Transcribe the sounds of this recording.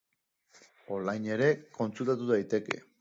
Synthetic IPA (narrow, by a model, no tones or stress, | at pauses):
o̞lajɲe̞ɾe̞ko̞nt͡sult̪at̪uðajt̪e̞ke̞̰